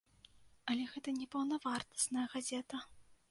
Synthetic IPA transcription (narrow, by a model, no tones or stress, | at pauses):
ɐlʲɛɣɛt̪ɐnʲɛpɐwnɐvart̪ɐ̥snɐjɐɣazʲɛt̪ɐ